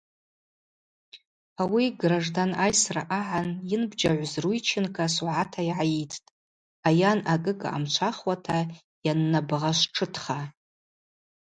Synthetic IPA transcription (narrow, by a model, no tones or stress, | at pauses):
awiɡraʐdanajsra̰ʔaʕanjɪnbd͡ʒaʕʷzrujt͡ʃʰɪnkʰʼaswʕatʰaiʕajetʰtʼ | ajanaɡʼɨkʼa̰a̰mt͡ʃʷʰaχwatʰa | janːabʁaʃʷʈ͡ʂʰɨtʰχa